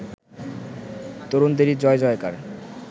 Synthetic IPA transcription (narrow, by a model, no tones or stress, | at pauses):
t̪oɾond̪eɾid͡ʑɔed͡ʑɔeka̰ɾ